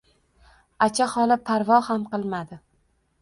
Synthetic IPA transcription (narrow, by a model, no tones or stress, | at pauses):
at͡ʃʰaχɒlɪpʰaɾvɒhamqɨlˠmad̪ɪ